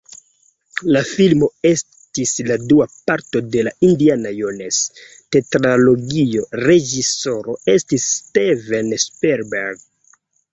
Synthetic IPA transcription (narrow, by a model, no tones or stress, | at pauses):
lafilmo̞e̞s | tisladuapaɾto̞de̞laindianajones | tetɾalo̞ɡio̞ɾe̞d͡ʒiso̞ɾo̞e̞stisːtevenspeɾbeɾɡ